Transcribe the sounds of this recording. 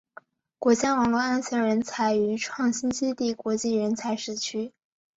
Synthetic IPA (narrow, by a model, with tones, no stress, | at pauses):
kwɔ˧˥t͡ɕja˥wɑ˨˩ŋlwɔ˥˧a˥nsɤ˧˥ɻə˧˥nt͡sʰa˧˥ɪy˧˥ʈ͡ʂʰwɑ˥˩ŋɕi˥nɕi˥t̪i˥˩kwɔ˧˥t͡ɕi˥˩ɻə˧˥nt͡sʰa˧˥ɪʂɻ̩˥˩t͡ɕʰy˥